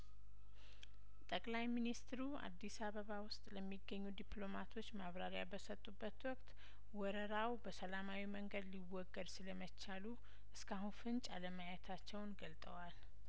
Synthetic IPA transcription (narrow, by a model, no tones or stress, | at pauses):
t̪ʼəkʼlajminist̪ɾua̰d̪ːisaβəβawʊst̪ʼləmːiɡːəɲːud̪iplo̞mat̪ʰo̞t͡ʃːmaβɾaɾjabəsət̪ʼːubːət̪wɔkʼt̪ | wɔɾəɾawbəsəlamawiməŋɡəd̪liwɔɡːəd̪sɨləmət͡ʃːalu | ʔɨskʰahunfɨnt͡ʃʼa̰ləmajɛt̪ʰat͡ʃːɛwnɡəlt̪ʼə̰wal